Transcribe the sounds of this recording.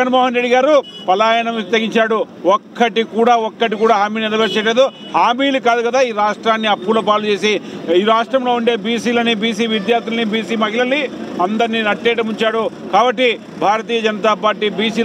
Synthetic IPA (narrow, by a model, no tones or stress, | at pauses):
ɐnmɔːɦɐnɾeɖiɡaːɾupɐlaːjɐnɐmist̪ɐɡiɲt͡ʃaːɽu | ɔkːɐʈikuːɽaːɔkːɐʈikuːɽaːɦaːmiːliɾɐʋɐɾt͡ʃeʈleːd̪u | haːmiːlukaːd̪ukɐd̪aːiːɾaːʂʈɾaːnːiɐpːulɐpaːlut͡ʃe̞ːsiiːɾaːʂʈɾɐmlo̞ːuɳɖe̞ːbiːsiːlɐnibiːsiːʋid̪jaːɾt̪ʰilɐnibiːsiːmɐɦilɐliɐnd̪ɐɾninɐʈːɛːʈɐmuɲt͡ʃaːɽukaːbɐʈːi | bʱaːɾɐt̪̬iːjɐd͡ʒɐnɐt̪aːpaːɾʈːiːbiːsiː